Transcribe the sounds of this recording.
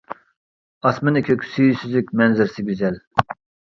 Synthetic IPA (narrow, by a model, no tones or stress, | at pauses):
ɑsmɨnɪkʲʰøkʲʰsyjysyzlykʲmɛnzɪɾsɪɡʲyzɛl